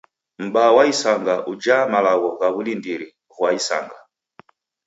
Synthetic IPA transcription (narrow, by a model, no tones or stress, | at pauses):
m̩ɓawaisaŋɡaʔud͡ʒamalaɣɔɣaβulindiɾi | ɣwaisa̰ŋɡa